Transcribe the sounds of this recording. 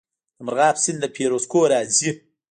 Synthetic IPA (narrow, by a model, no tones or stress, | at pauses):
d̪əmɾɣɑːpsɪnd̪d̪əpʰeːɾoskoːɾɑːzi